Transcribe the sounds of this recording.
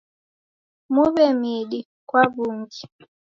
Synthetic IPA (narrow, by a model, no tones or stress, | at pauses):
muβɛmiɗi | kwaβuŋɡi